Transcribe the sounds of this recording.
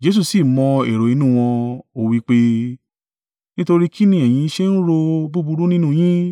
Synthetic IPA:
d͡ʒe˧˦s̬u˦˧˨si˨mɔ̃˧ḛ˨ɾo˨i˨˧nũ˦˧w̃ɔ̃˧o˦˨wi˦˧k͡pe˦ | nĩ˦to˧ɾi˦ki˦nĩ˦ɛ˨j̃ĩ˧˦ʃe˦n̩˦ɾo˧bu˦bu˧ɾu˦nĩ˦nũ˦˨j̃ĩ˦

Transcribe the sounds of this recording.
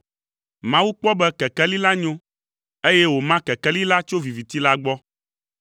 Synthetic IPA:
mã˦wu˦k͡pɔ˦bɛ˦kɛ˨kɛ˦li˦la˦ɲõ˦ | e˦jɛ˦wo˨mã˦kɛ˨kɛ˦li˦la˦t͡ʃo˦vi˨vi˨t̪i˦la˦ɡ͡bɔ˦

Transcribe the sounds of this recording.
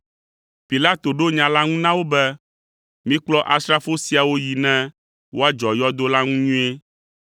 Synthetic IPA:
pi˨la˦t̪o˨ɖo˦ɲã˨la˦ŋũ˦nã˦wo˦bɛ˦ | mĩ˦k͡plɔ˦ʔa˨st̪ɾa˦fo˦si˨a˨wo˦ji˨nɛ̃˦ | wo˦a˦d͡ʒɔ˨jɔ˦d̪o˦la˦ŋũ˦ɲũ˦e˦

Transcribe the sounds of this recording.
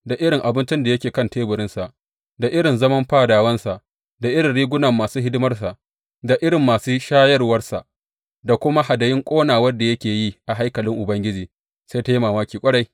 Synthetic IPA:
da˨ʔɪ˦ɽɪ˨ŋʔa˨bɪ˦nt͡ʃɪ˦nda˨jɐ˦kʲeː˨kɐ˦nteː˦bʊ˨ɾɪ˦nsa˨ʔ | da˨ʔɪ˦ɽɪ˨nzɐ˦mɐ˦mɸaː˦˨daː˨wɐ˦nsa˨ʔ | da˨ʔɪ˦ɾɪ˨nɽiː˦ɡʷʊ˦nɐ˨mːaː˨suː˦ɦɪ˦dɪ˦mɐ˦rsa˨ʔ | da˨ʔɪ˦ɽɪ˨mːaː˨suː˦ʃaː˦jɐ˦rwɐ˦rsa˨ʔ | da˨kʷʊ˦ma˦ha˨dɐ˨jɪ˦ŋkʷʼoː˦naː˨wɐ˦da˨jɐ˦kʲeː˨ji˦ʔa˨ɦa˦jkɐ˨lɪ˦ŋʔʊ˨bɐ˦ŋɡʲɪ˦d͡ʒiː˨ | sa˦ta˦ji˦maː˨maː˦kʲiː˨kʷʼɐ˦ɽa˦j

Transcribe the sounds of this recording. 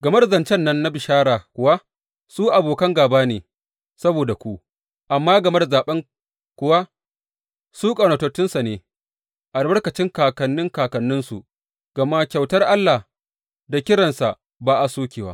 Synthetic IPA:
ɡɐ˨mɐ˦dzɐ˨nt͡ʃɛ˦nːɐ˦nːa˦bɪ˨ʃaː˦ɽaː˨kʷʊ˨wa˦ | suː˦ʔa˨boː˨kɐ˦ŋɡaː˨baː˦neː˨ | sɐ˦boː˨da˨kʷu˦ | ʔa˨mːaː˦ɡɐ˨mɐ˦da˨zaː˨ɓɐ˦ŋ | kʷʊ˨wa˦ | suː˦kʼɐ˨no˨tɐ˨tːɪ˦nsa˨neː˨ | ʔa˨lbɐ˦ɽkɐ˨t͡ʃɪ˦ŋkaː˨kɐ˨nːɪ˦ŋkaː˨kɐ˨nːɪ˦nsu˨ | ɡ̥ɐ˨ma˦kʲa˨wtɐ˦rʔa˦lːa˨ | da˨kʲɪ˦ɽɐ˨nsa˨ʔ | baː˦˨ʔa˨suː˦kʲeː˨waː˦

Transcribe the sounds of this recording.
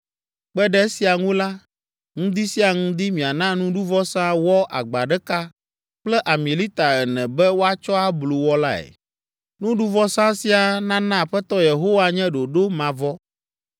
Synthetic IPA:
k͡pɛ˦ɖɛ˦e˦si˨a˨ŋũ˦la˦ | ŋũ˦d̪i˦si˦a˨ŋũ˦d̪i˦mĩ˨a˨nã˦nũ˦ɖu˦vɔ˦sã˦wɔ˦ʔa̰˨ɡ͡ba˨ɖɛ˦ka˦ | k͡plɛ˦ʔa˨mĩ˨li˦t̪a˨ɣɛ˨nɛ̃˨bɛ˦wo˦a˦t͡ʃɔ˦a˦blu˨wɔ˦la˦ɛ̰˨ | nũ˦ɖu˦vɔ˦sã˦si˦a˨nã˦nã˦˨ɸɛ˦t̪ɔ˦je˨ɦo˦wa˦ɲɛ̃˦ɖo˨ɖo˦mã˨vɔ˦

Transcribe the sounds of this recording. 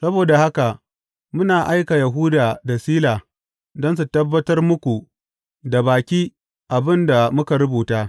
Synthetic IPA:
sɐ˦boː˨da˨ha˦ka˨ | mʊ˦naː˨ʔa˦jka˨ja˨ɦʊː˦daː˨da˨siː˦laː˨ | dɔ˦ns̬u˨tɐ˦bːɐ˦tɐ˦rmʊ˦kʷu˨ | da˨baː˨kʲiː˦ | ʔa˨bɪ˦nda˨mʊ˦ka˨ɾʊ˦buː˨taː˦

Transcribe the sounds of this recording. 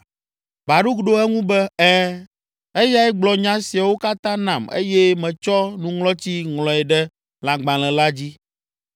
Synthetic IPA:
ba˨ɖu˦ɡɖo˦ɛ˦ŋũ˦bɛ˦ɛ˦ | e˦ja˦ɛ˦ɡ͡blɔ˨ɲã˦si˨a˨wo˦ka˦t̪ã˦nã˨mḛ˦jɛ˦mɛ̃˨t͡ʃɔ˦nũ˦ŋlɔ˦t͡ɕi˦ŋlɔ̃˨ɛ˨ɖɛ˦ | la˨ɡ͡bã˨lɛ̃˨la˦d͡ʑi˦

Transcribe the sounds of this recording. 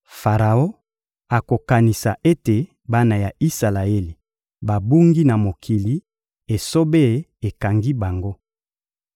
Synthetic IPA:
fa˨ʁa˨o˦ | a˨ko˨ka˨ni˨sa˨ʔe˦te˨ | ba˦na˨ja˨i˦sa˨la˨e˦li˨ | ba˨bu˦ŋɡi˦na˨mo˨kʰi˨li˦ | e˨so˦be˦˨e˨ka˨ŋɡi˦ba˨ŋɡo˦

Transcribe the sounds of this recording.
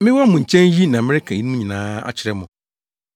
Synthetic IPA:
mɪ̃˦wɔ˦mʊ̃˨ɲ̩˨t͡ɕʰɛ̃˦n˦ji˦nã˨mɪ̃˦ɾɪ˦kʰã˨ji˦nũ˦mũ˦ɲĩ˨nãː˦a̰˨t͡ɕʰɪ˨ɾɛ˦mʊ̃˨

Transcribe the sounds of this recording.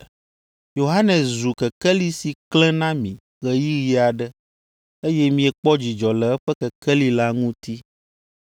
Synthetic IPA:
jo˨ɦa˦nɛ̃˨szu˨kɛ˨kɛ˦li˦si˨klɛ̃˦nã˦mĩ˨ | ɣɛ˨ji˦ɣi˨˦a˨ɖə˦ | e˦jɛ˦mĩ˨ɛ˨k͡pɔ˦d͡ʑi˨d͡ʒɔ˨lɛ˨ɛ˦ɸɛ˦kɛ˨kɛ˦li˨la˦ŋũ˦t̪i˦

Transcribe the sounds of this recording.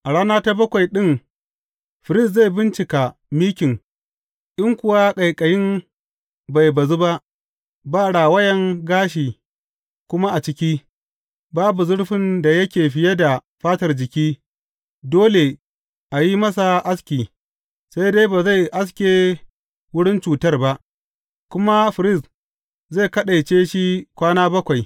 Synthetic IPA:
ʔa˨ɽaː˦naː˦ta˦bɐ˦kʷa˨jɗɪ˦ŋ | ɸɪ˨ɾɪ˦˨s̬za˦˨jbɪ˦nt͡ʃɪ˨ka˨miː˦kʲɪ˨ŋ | ʔɪ˦ŋkʷʊ˨waː˦kʼɐ˨jkʼɐ˨jɪ˦m | ba˨jbɐ˨zu˦ba˦ʔ | baː˦˨ɽaː˨wɐ˦jɐ˨ŋɡaː˦ʃ̬iː˨ | kʷʊ˦ma˦ʔa˨t͡ʃɪ˦kʲiː˦ | baː˦bu˨zʊ˦ɽɸɪ˨nda˨jɐ˦kʲeː˨ɸɪ˦jɐ˦da˨ | ɸaː˦tɐ˨rd͡ʒɪ˨kʲiː˦ | doː˦le˨ | ʔa˨ji˦mɐ˦s̬a˨ʔa˦skʲiː˨ | sa˦jdeː˦baː˨za˦˨jʔa˦s̬kʲeː˨ | wʊ˦ɽɪ˦nt͡ʃuː˨tɐ˦rba˦ʔ | kʷʊ˦ma˦ɸɪ˨ɾɪ˦˨s | za˦˨kɐ˦ɗa˨jt͡ʃeː˦ʃi˦kʷaː˦naː˦bɐ˦kʷa˨j

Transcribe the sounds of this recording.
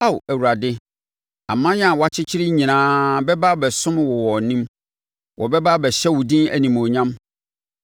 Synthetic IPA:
a˦˨wæ˨wu˨ɾa˨dɪ˦ | ã˨mːã˦ja˨wɔ˨˦a˦t͡ɕʰɪ˦t͡ɕʰɪ˦ɾɪ˦ɲĩ˨nãː˦bɛ˦ba˦bɛ˨sʊ̃˦mwɔ˨wɔ˨nĩ˦m | wʔɔ˨bɛ˦ba˦bɛ˨ɕɛ˦wʊ˨dĩ˦æ̰˨nĩ˨mɔ̃˨ɲã˦m

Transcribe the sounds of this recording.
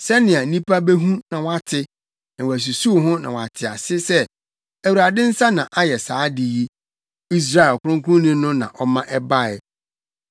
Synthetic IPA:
sɛ˦nɪ̃˨a˨˦nĩ˦pʰa˦be˦ɦũ˦nã˨wa˨tʰɪ˦ | nã˨wæ˨s̬u˨su˦˨ɦʊ̃˦nã̰˨wa˨tʰɪ˨a̰˨sɪ˦sɛ˦ | æ˨wu˨ɾa˨dɪ̃˦n̩˦sa˦nã˨ʔa˦jɛ˨saː˨˦dɪ˨ji˦ | i˦s̬ɾa˦ɛ˨lkʰʊ˦ʊ̃˦ŋ˦kʊ̃˦nĩ˦nʊ̃˦nã̰˨ʔɔ˦mã˦ʔɛ˦ba˦ɛ˨

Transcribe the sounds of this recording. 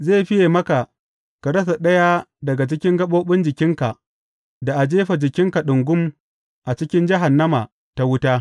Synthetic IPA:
zeː˦˨ɸɪ˦jeː˨mɐ˦ka˨ | ka˨ɽɐ˦s̬a˨ɗɐ˦ja˦dɐ˨ɡa˨t͡ʃɪ˦kʲɪ˦ŋɡɐ˦ɓoː˦ɓʊ˦nd͡ʒɪ˨kʲɪ˦ŋka˨ | da˨ʔa˨d͡ʒeː˦ɸa˨d͡ʒɪ˨kʲɪ˦ŋka˨ɗʊ˨ŋɡʷʊ˦m | ʔa˨t͡ʃɪ˦kʲɪ˦nd͡ʒɪ˦ɦa˨nːɐ˦ma˨ | ta˦wʊ˦taː˦

